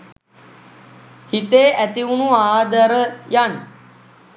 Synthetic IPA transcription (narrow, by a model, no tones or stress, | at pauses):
hit̪eːʔɛt̪iunuaːd̪əɾjan